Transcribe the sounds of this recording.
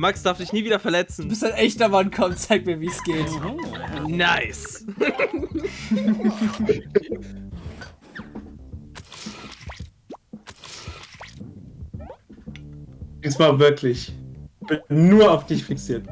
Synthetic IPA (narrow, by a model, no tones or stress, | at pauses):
maksd̥aɐfd̥ɪçniːviːdɐfɛɐlɛt͡sn̩ubɪstaɪnʔɛçtɐmankʰɔmtt͡saɪk̚tmiːɐviːsɡ̥eːt | naɪs | d̥iːsmaːlvɪɐkʰlɪçb̥ɪnnuːɐaʊfd̥ɪçfiksiːɐt